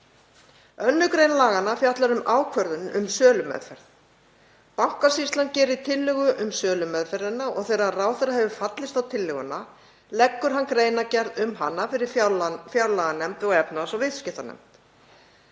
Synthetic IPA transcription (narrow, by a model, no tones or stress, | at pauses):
œnːʏkɾejnlaːɣanafjat̪laɾʏmaːwkʰvœɾðʏnʏ̰msœːlʏmɛ̰ðfɛɾ̥ð | pawhkasist̪lancɛːɾɪt̪ʰɪlːʏɣʏʔʏmsœːlʏmɛðfɛɾðɪnːaɔ̰ɣθejɾaraːwθɛɾahɛvʏfat̪lɪst̪awt̪ʰɪlːʏɣʏnːa | lɛkːʏɾ̥ɦankɾeːjnacɛɾðʏmɦanːafɪɾɪɾ̥fjawlaɣanɛmt̪ɔɣɛpnasɔvɪðscɪht̪anɛ̰m̥t̪